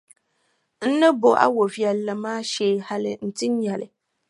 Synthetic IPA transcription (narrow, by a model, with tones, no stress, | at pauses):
n̩˦nɨ˦bo˨ʔa̰˦wo˨vi˨ɛ˨lːa˨maː˦ʃeː˨˦˨ha˦lɪ˦n̩˦tɪ˦ɲ˦ɲɛ˨lɪ˨